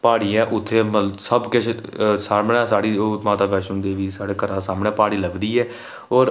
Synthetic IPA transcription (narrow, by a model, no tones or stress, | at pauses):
paːɽiːãːʔʊt̪ʰːeːməsəbkɪt͡ʃsaːmɳɛ̃ːsaːɽiːoːmaːt̪aːbɛːʃʊ̃nd̪eːʋiːsaːɽeːkəɾãːsaːmɳeɛːpaːɽiːləɡd̪iːɛː | oːɾ